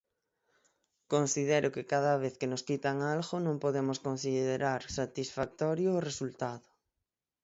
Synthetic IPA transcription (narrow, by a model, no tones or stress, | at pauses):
konsiðeɾʔʊkɪkaðaβ̞eθkenoskit̪aŋalɣonõŋpoðemoskonsiððeɾaɾsat̪isfak̚t̪ɔɾjoːresult̪aðʊ